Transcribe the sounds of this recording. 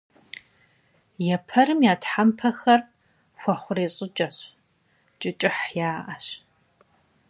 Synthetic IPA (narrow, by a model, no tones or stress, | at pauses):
jɛpʰɐɾɨmjaːtħampʰɐxɐr | xʷɔχʷʊreːɕʼɪt͡ʃʼɐɕ | t͡ʃʼɨt͡ʃʼɪħjaːʔɐɕ